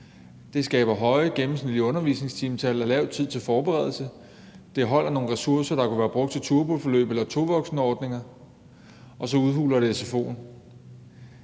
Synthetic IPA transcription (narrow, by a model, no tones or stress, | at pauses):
d̥e̝sɡ̥ɛ̰ːb̥ɐɦɒ̽ɪəɡ̥emm̩snið̥liɔ̽nɐʋḭsne̝ŋst͡sʰiːmt͡sʰælɐlɛʊ̰t͡sʰið̞̰ˠt͡sʰe̝lfɒːb̥eʁɛð̞ˠl̩sə | d̥e̝ɦɒ̽l̰ʔɐno̝ːnʁɛsuɐsɐɾ̥ɑ̈kʰuʋæːɐb̥ʁɔ̽ɡ̥̚t͡sʰe̝t͡sʰuɐb̥olfɒ̽lø̰ːb̥elɐt͡sʰo̝ʋɒ̽ɡ̥snəɒːd̥ne̝ŋɐ | ʔɒ̽sɒ̽uðˠhṵːlɐɾ̥e̝sefo̝̰ːn